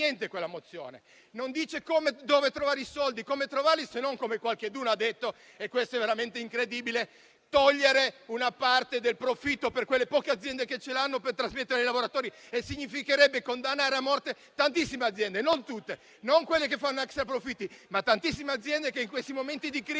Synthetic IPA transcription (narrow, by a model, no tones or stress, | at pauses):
ɛnt̪ekwelːamot̪sːjo̰ːnḛ | nond̪iːt͡ʃekoːmed̪oːvet̪ɾovaːɾisɔld̪ikoːmet̪ɾovaɾlisenoŋkomekwalked̪uːnoad̪ːet̪ːo | ekːwest̪oɛvːeɾament̪eiŋkɾed̪iːbile | t̪ɔʎːeɾeunapart̪ed̪elpɾofit̪ːoperkwelːepɔːkead̪zjɛnd̪eket͡ʃːelanːopert̪ɾazmet̪ːeɾeijlavoɾat̪oːɾiesːiɲːifikeɾɛbːekond̪anːaːɾeamːɔrt̪e | t̪ant̪isːimead̪zjɛnd̪enont̪ut̪ːe | noŋkwelːek̬efːanːoɛksɾapɾofit̪ːimat̪ːant̪isːimead̪zːjɛnd̪ekeiŋkwest̪imoment̪id̪ikɾ